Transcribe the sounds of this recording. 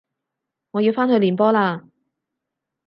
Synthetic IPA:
ŋɔː˨˧ji˧wfaː˥nɦɵ˧ɥliː˨npɔː˥laː˧

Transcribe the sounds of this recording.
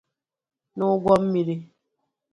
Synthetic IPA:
nʊ˦ɡʷɔ˦m̩˦mi˨ɾi˦

